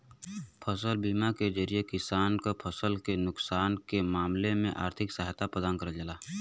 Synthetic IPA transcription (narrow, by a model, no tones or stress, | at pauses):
pʰəsəlbiːmaked͡ʒəɾijekɪsaːnkopʰəsəlkenʊksaːnkemaːmlemẽʔa̰ːɾt̪ʰɪksəɦt̪apəd̪aːnkəɾəd͡ʒəlaː